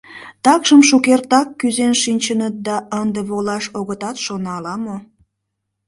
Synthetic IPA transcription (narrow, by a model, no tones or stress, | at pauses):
t̪ɑkʃəmʃukert̪ɑkːyzenʃinʲt͡ɕənət̪̚d̪ɑənd̪eβolɑʃoɣət̪ɑt̪ʃonɑlɑmo